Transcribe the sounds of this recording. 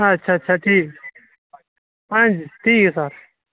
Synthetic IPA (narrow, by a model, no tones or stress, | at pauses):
tːʃʰaːtːt͡ʃʰaʈʰiːk | pɐ̃nd͡ʒt̪ʰiːksaɾ